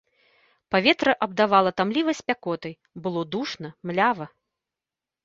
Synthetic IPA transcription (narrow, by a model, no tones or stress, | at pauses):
pavʲɛt̪ɾɐʔɐb̚d̪avalˠɐt̪amlʲivɐsʲpʲakɔt̪ɐj | bɨlˠɔd̪uʂnɐmlʲavɐ